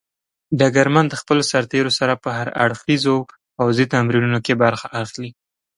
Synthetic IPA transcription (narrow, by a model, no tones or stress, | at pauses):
ɖaɡaɾmand̪əxpəlosaɾt̪eɾosaɾapəhaɾa̰ɽxizo | fawzit̪amɾinunokebaɾxaʔaxli